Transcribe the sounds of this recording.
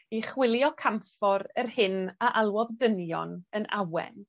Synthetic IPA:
iχwɪlˠjɔkʰamfɔɾərhɪnaʔalˠwɔðdənjɔ̰nəna̰wɛ̰n

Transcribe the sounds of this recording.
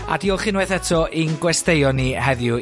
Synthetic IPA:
a̰diɔχɪnwɛθɛtʰɔʔinɡwɛstejɔnihɛðjʊ

